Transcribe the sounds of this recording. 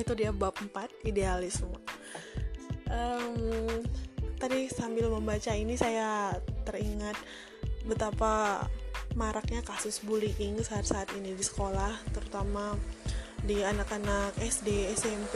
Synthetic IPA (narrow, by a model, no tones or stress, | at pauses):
it̪udiabap̚əmpat̪̚idealɪsm | ʔəm | t̪adisambɪlməmbat͡ʃainisajaːəriŋat̪̚ | bət̪apa | maɾak̚ɲakasʊsbuliʔɪŋsaːt̪̚saːt̪inidisə̥kolaht̪əɾut̪ama | dianakanakɛsdeɛsɛmp